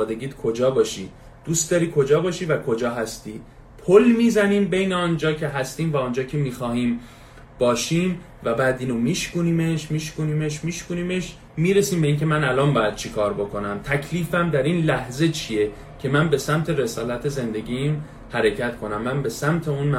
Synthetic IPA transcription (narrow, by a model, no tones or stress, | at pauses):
ɒːd̪e̞ɡiːd̪kʰo̞d͡ʒɒːbɒːʃi | d̪̥ust̪d̪ɒːɾiːkʰo̞d͡ʒɒːbɒːʃiːvækʰo̞d͡ʒɒːɦæst̪iː | pʰolmiːzæniːmbe̞jneɒnd͡ʒɒːcʰe̞ɦæst̪iːmvæɔnd͡ʒɒːcʰe̞miːxɒːhiːm | b̥ɒːʃiːm | væbæːd̪iːnomiːʃkuːniːme̞ʃmiːʃkuːniːmeʃmiːʃkuniːmeʃ | miːɾesiːmbe̞iːnce̞mænælɒːnbɒːjæd̪̥̚t͡ʃʰekʰɒːɾbo̞ko̞næmt̪ʰæcʰliːfæmd̪æɾiːnlæhze̞t͡ʃʰije̞ | cʰe̞mænbe̞sæmt̪ʰeɾe̞sɒːlæt̪ʰe̞ze̞nd̪e̞ɟiːm | hæɾecʰæt̪kʰo̞næmːænbe̞sæmt̪ʰeunm